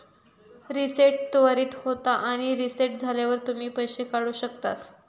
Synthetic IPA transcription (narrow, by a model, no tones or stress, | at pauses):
ɾiseʈ̚t̪oʋaɾiːt̪hot̪aʔaɽ̃iɾiseʈ̚d͡zʱaljaʋəɾt̪um̤iːpəjɕekaɽuːɕək̚t̪as